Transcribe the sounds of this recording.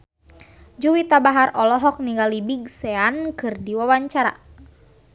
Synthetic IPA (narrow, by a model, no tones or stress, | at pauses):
d͡ʒuwit̪abaɦaɾʔɔlɔɦɔk̚niŋɡalibiɡsɛankɨrdiwawaɲt͡ʃaɾa̰